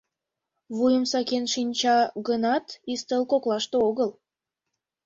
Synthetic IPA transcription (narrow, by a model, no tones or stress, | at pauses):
βujəmsɑkenʃinʲt͡ɕɑɣənɑt̪ist̪əlkoklɑʃt̪ooɣəl